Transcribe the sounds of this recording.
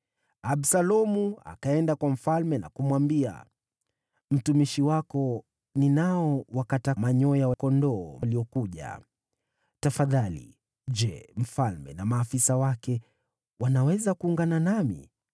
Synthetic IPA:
aɓsalɔmua̰kaɛndakwam̩falmɛna̰kumwambia̰ | m̩tumiʃiwakɔ | ninaɔwakatamaɲɔjawakɔndɔːliɔkuʄa̰ | tafaðalḭ | d͡ʒɛm̩falmɛ̰namaːfisawakɛ | wanawɛzakuːŋɡananamḭ

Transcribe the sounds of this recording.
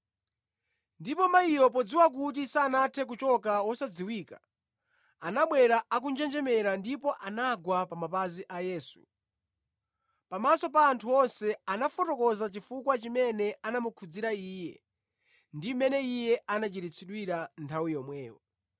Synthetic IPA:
ndipɔmaijɔpɔd͡ziwak̬ut̬isaːnatʰɛk̬ut͡ʃɔkawɔsad͡ziwiːka | anaɓwɛɾaak̬und͡ʒɛnd͡ʒɛmɛɾandipɔʔanaɡwapamapaziʔajɛːsu̥̰ | pamasɔpaːntʰuwɔnsɛanafɔtɔkɔzat͡ʃifukwat͡ʃimɛnɛanamukʰud͡ziɾaiːjɛ̰ | ndimɛnɛijɛanat͡ʃiɾit͡sʰiɗwiɾantʰawijɔmwɛːwɔ

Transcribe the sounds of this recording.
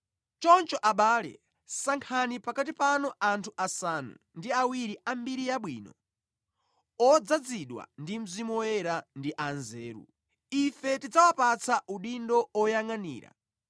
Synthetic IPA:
t͡ʃɔnt͡ʃɔʔaɓaːlɛ̰ | saŋkʰanipakat̬ipanɔantʰuʔasanṵ | ndiawiɾiʔambiɾijaɓwḭːnɔ | ɔd͡zad͡ziɗwa̰ndim̩zimuɔjɛɾandiʔanzɛːɾṵ | ifɛtid͡zawapat͡sʰaʔuɗindɔɔjaŋanḭːɾa̰

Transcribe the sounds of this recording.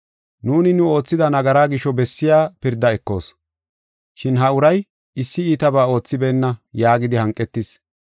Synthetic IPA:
nuːnɪnʊo̞ːt͡sːɪd̪ɐnɐɡɐɾaːɡɪʃɔbɛsːɪjaːpɪɾd̪ːɐɛkːo̞̰ːs | ʃɪnɦɐʊɾɐj | ɪsːɪiːt̪ɐbaːo̞ːt͡sːɪbeːnːɐjaːɡɪd̪ɪhɐŋkʼːɛt̪ːɪs

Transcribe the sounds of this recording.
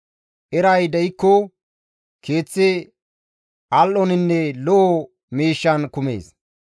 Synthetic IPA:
ʔɛɾɐjd̪ɛjɪkːɔ | kʰe̞ːt͡sːɪ | ʔɐlʔɔnɪnːɛlɔʔɔ | miːʃːɐnkʊmḛːs

